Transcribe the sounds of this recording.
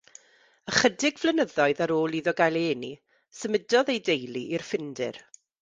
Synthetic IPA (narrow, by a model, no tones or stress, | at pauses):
əχədɪɡvlˠənəðɔɨðaɾoːlˠiðɔɡajlˠeːni | səmədɔðejdejlˠiʔirfɪndɪ̰r